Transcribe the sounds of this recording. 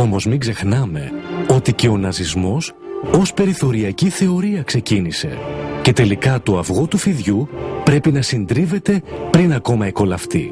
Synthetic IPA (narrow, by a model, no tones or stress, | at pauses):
o̞mo̞zmiɡze̞xnɐme̞o̞t̪ice̞o̞nɐzizmo̞s | o̞spe̞ɾiθo̞ɾiɐciθe̞o̞ɾiɐkse̞cinise̞̰ce̞t̪e̞likɐt̪o̞ɐvɣo̞t̪ufiðʝupɾe̞pinɐsind̪ɾive̞t̪e̞pɾinɐko̞mɐeko̞lɐft̪ḭ